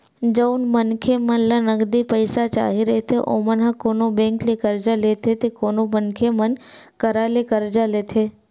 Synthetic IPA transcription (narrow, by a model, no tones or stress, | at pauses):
d͡ʒəʊnmənkʰemənlanəɡd̪ipəɪsat͡ʃa̰ːɦiɾəɦet̪ʰeʔo̰ːmənɦãkoːnobẽːŋklekəɾd͡ʒaleːt̪ʰet̪ekoːnomənkʰemən | kəɾalekəɾd͡ʒaleːt̪ʰeː